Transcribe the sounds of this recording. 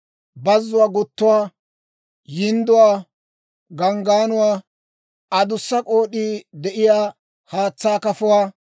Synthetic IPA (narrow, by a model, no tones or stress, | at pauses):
bɐzːʊwaːɡʊt̪ːʊwaː | jɪnd̪ʊwaː | ɡɐŋɡaːnʊwaː | ɐd̪ʊsːɐkʼo̞ːɗiːd̪ɛʔɪjaː | haːt͡sːaːkɐfʊwaː